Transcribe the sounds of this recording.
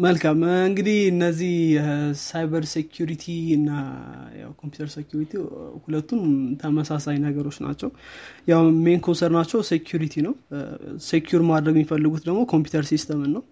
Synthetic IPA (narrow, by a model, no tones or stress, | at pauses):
məlkʰamɨŋɡɨd̪ihɨnːəzːihsajbəɾsekʰjuɾit̪ʰiɨnːaja̰wkʰompju̥t̪ʰəɾsekjuɾit̪ʰihulət̪ːumt̪ʰəməsasajnəɡəɾo̞t͡ʃːna̰t͡ʃːɛwjawmenkʰonsəɾnat͡ʃːɛwsekʰjuɾit̪ʰinəwsekʰjuɾmad̪ɾəɡɛmifəlːɨɡut̪d̪əɡmo̞kʰo̞mpjut̪ʰəɾsist̪ʰəmɨnːəw